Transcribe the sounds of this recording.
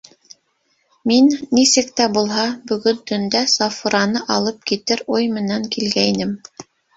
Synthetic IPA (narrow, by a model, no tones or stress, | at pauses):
minːisɘ̆k̚t̪æbulˠɦɑbɵ̆ɡɵ̆nt̪ɵ̆nd̪æsɑfuɾɑnɤʔɑlˠɤp̚kit̪ɘɾujmɘ̆næŋkilɡæjnɘm